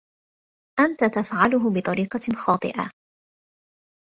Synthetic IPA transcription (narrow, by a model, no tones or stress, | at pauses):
ʔant̪at̪afʕalʊɦʊbɨt̪ˤɑɾiːqɑxɑːt̪ˤɨ̰ʔa̰